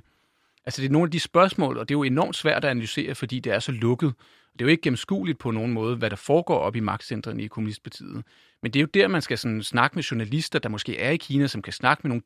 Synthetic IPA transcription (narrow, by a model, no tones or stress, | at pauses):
ʔælsəd̥e̝æɐno̝ːnæd̥isb̥ɶɐsmɔ̰̽ːl̩ˠɒ̽d̥e̝jo̝e̝nɒ̰ːmd̥sʋæɐ̰d̥æænælyse̝̰ːɐfɒ̽d̥ḭːd̥e̝æɐsɒ̽lɔ̽ɡ̥ð̞̩ˠ | ɒ̽d̥e̝joe̝ɡ̥əɡ̥em̩sɡ̥ṵːlid̥̚pʰɒ̽no̝ːn̩mɔ̽ːð̞̩ˠəʋæɾ̥ɑ̈fɒːɡ̥ɒ̰ːɒ̽b̥imɑ̈ɡ̥d̥send̥ʁɐnikʰomunisd̥̚pʰɑ̈t͡sʰḭːð̩ˠ | mend̥e̝jo̝d̥eɐmænsɡ̥æsɒ̽nn̩snɑ̈ɡ̥əmeɕunælisd̥ɐd̥ɑ̈mɒ̽sɡ̥e̝̰ːæɐikʰiːnæsɒ̽mkʰæsnɑ̈ɡ̥ə̥meno̝ːn